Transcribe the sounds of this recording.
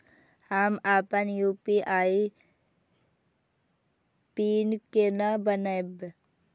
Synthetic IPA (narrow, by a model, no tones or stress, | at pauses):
hamaːpənjuːpiʔaːi | piːnkenabənab